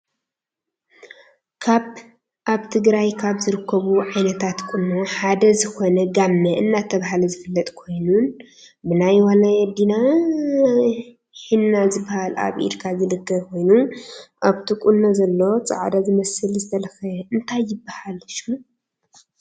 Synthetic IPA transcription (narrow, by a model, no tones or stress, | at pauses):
kʰaβ | ʔaβt̪ʰɨɡɾajkʰaβzɨɾɨkʰːɐβuʕajnɐt̪ʰat̪kʼunːoħad̪ɐzɨxo̞nɐɡamːɐʔɨnːat̪ʰɐβaɦalɐzɨfɨlːɐt̪ʼkʰo̞jnun | bɨnajwalajɛd̪ina | ħinːazɨbːahala̰βʔḭɾkʰazɨlɨkːɐβkʰo̞jnuʔaβt̪ʰikʼunːozɐlːo̞t͡sʼa̰ʕd̪azɨmɐsɨlzɨt̪ʰɐlɐxɐɨnt̪ʰajːɪbːahalɨʃu